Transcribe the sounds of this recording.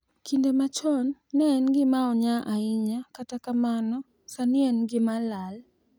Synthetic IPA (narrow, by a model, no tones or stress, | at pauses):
kʰindemat͡ʃɔnːɛnɡɪmaɔɲaʔaɪɲakatakamanɔ | sanɪɛnɡɪmalal